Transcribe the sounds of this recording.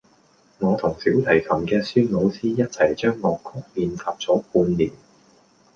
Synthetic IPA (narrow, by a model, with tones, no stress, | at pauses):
ŋɔː˨˧t̪ʰʊ˨˩ŋsiː˨˥wt̪ʰɐ˨˩jkʰɐ˨˩mkɛː˧syː˥lo˨˧wsiː˥jɐ˥t̚t͡sʰɐ˨˩jt͡ʃœː˥ŋːɔː˨˧kʰʊ˥k̚miː˧nfaː˨˧p̚t͡sɔː˨˥kuː˧nliː˨˩n